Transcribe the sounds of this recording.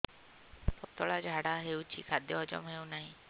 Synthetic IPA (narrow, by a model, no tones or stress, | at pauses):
pɔt̪ɔɭad͡ʒʱaɽaɦewt͡ʃʰḭkʰad̪jɔɔd͡ʒɔ̰mɔɦewnaɦĩ